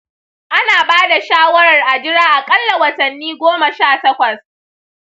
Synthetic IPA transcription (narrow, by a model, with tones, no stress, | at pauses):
ʔa˦naː˨baː˦da˨ʃaː˦wɐ˦ɾɐ˨rʔa˨d͡ʒɪ˦ɽaː˦ʔa˨kʼɐ˦lːa˨wɐ˨tɐ˨nːiː˦ɡʷoː˦mɐ˨ʃaː˦˨tɐ˦kʷɐ˨s